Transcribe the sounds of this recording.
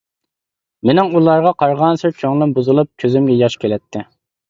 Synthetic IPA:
menɪŋulˠɑɾʁɑqʰɑɾʁɑnsɪɾt͡ʃʰoŋlˠɨnbuzɨlˠup̚kʲʰøzymɡʲɛjɑʃkʲʰelɛt̪ʰːɪ

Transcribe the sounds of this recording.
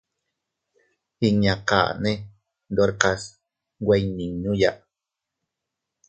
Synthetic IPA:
iɲaqa̰ːne | d̪oɾqas | wajniɲuja̰ʔ

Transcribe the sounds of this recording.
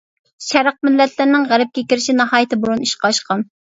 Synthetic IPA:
ʃɛɾɑq̚mɪlːɛt̪ʰlɪɾnɪŋʁæɾɛp̚kʲɛkʲiɾɪʃinɑhɑːjɪt̪ʰɪboɾuniʃqɑʃqʰɑn

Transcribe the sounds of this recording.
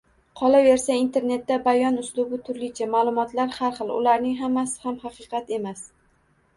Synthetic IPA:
qʰɒlave̞ɾsaint̪ʰe̞ɾne̞t̪ːabajɒnʊslʊbʊt̪ʰʊɾlɪt͡ʃʰamalˠʊmɒt̪ʰlaɾhaɾχɨlˠʊ̰laɾnɪŋɦamːasɪ̥hamhɑqɨqʰɑt̪e̞mas

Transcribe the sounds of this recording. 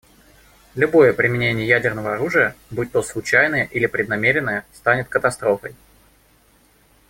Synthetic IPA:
lʲʊbo̞jəpɾʲɪmʲɪnʲenʲɪjəjædʲɪrnəvəɐɾuʐɨjəbut̚ʲt̪oslˠʊt͡ɕæjnəjəʔilʲɪpɾʲɪd̪nɐmʲeɾʲɪnːəjəst̪anʲɪt̪kət̪ɐst̪ɾo̞fəj

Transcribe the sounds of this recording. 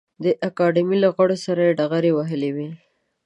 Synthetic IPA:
d̪əʔakɑɖimilaɣaɽosaɾajeɖaɣaɾewaɦəlewi

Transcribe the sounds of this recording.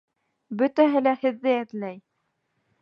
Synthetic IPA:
bɵ̆t̪æɦɘlæhɘ̆ðːɘæðlæj

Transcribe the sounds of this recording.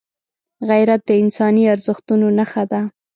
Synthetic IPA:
ɣajɾat̪̚d̪əɪnsɑniaɾzəxt̪unonaxad̪a

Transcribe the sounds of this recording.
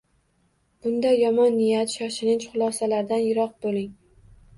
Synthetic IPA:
b̥ʊnd̪ajɒmɒnːɪjat̪ʃɒʃɪlɪnt͡ʃχʊlˠɒsalaɾd̪anjɪɾɒq̚bolɪŋ

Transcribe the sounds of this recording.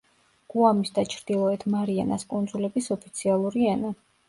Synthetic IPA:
ɡ̥uamisd̪at͡ʃʰɾd̪̥ilˠɔɛt̪ʰmaɾiɛ̰naskʼund̪zulɛbisɔpʰit̪sʰialˠuɾiɛna

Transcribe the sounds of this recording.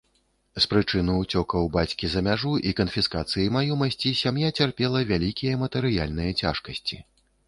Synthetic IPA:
spɾɨt͡ʂɨnɨut͡sʲɔkɐwbat͡sʲkʲizɐmʲaʐuʔikɐnfʲiskat̪sɨjimajɔmɐsʲt͡sʲisʲamjat͡sʲarpʲɛlˠɐvʲalʲikʲijɐmɐt̪ɛɾɨja̰lʲnɨjɐt͡sʲa̰ʂkɐsʲt͡sʲi

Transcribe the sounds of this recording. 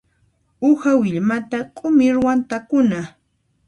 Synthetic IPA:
ʊhawɪʎmat̪akʼʊmɪɾwant̪akʊna

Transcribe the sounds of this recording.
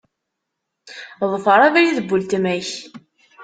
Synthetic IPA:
ðˤfəɾˤævæjiðəbːult̪mæç

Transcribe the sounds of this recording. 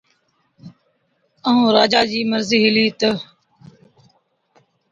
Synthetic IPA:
əɦũːɾaːd͡ʒaːd͡ʒiːməɾziːɦɪliːt̪ə

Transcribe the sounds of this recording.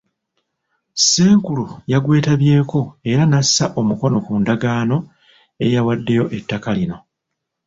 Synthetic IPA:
seːŋkulujaɡwe̞ːtaβje̞ːko̞e̞ɾanasːaʔo̞muko̞no̞kuːndaɡaːno̞ | e̞jawadːe̞jo̞ʔe̞tːakalino̞

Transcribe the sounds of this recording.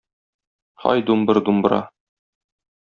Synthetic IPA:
hɒ̰jd̪umbɤɾd̪umb̆ɾɑ̰

